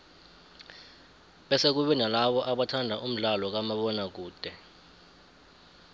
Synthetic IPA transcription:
ɓɛsek̬uɓɛnalaɓɔʔaɓatʰandʱaʔum̩ɮalɔk̬amaɓɔnak̬uːd̥ʱɛ

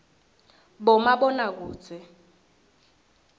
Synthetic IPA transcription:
bɔmaɓɔnak̬u̥ːt͡sɛ

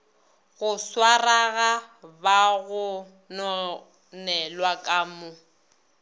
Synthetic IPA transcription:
ɣʊswaraɣabaɣʊ | nɔ | nɛlwakʼaːmʊ

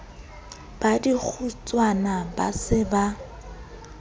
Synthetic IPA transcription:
b̥adik͡xʰut͡sʼwanaba̰sɪba

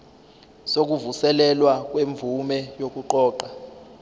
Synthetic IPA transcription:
sok̬uvusɛlɛlwak̬weɱb̪vumɛjok̬ʼuǃɔːǃa

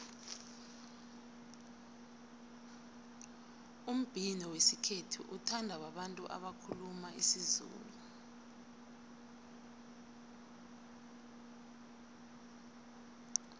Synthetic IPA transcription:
um̩b̥ʱinɔwesikʰetʰṵʔutʰandʱawaɓantʼuʔa̰ɓakʰulumaisizṵːlu

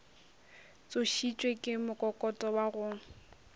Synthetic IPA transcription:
t͡sʼʊʃit͡ʃʼwekʼɪmʊkʼɔkʼɔtʼɔwaɣʊːŋ̩

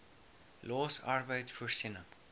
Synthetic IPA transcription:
lɔːsɑrbəjtfuərsinə

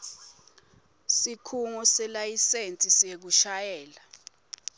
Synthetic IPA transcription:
sikʰuŋɔsɛlajisent͡sʼisek̬uʃajɛːla

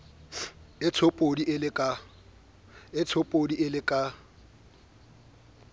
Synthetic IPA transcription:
ɪtʰopʼodiʔɪlɪkʼa | ɪtʰopʼodiɪlɪkʼa

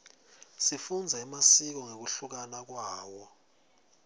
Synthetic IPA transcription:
sifund͡zʱaimasik̬ɔŋek̬uɬuk̬anak̬waːwɔ

